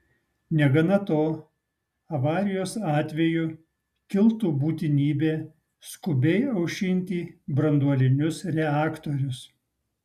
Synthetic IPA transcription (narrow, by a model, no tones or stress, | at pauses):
nʲɛɡɐnɐt̪oː | ɐʋɑːɾʲɪjoːsɑːt̪ʲʋʲɛjʊ | kʲɪlˠt̪uːbuːt̪ʲɪnʲiːbʲeː | skʊbʲɛɪɐʊʃʲɪnʲt̪ʲiːbɾɐnd̪uɔlʲɪnʲʊsɾʲɛɑːkt̪ɔɾʲʊs